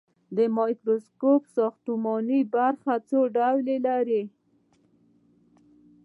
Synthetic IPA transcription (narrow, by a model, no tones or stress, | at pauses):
d̪əmɑjkɾoskopsɑxt̪umɔnibaɾxat͡soɖawlelaɾe